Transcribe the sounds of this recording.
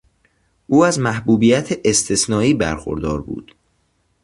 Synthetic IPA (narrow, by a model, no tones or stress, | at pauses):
ʔuːæzmæhbuːbiːjæt̪ʰeʔest̪ʰesnɒːiːbæ̰ɾxo̰ɾd̪ɒːɾbṵːd̪̥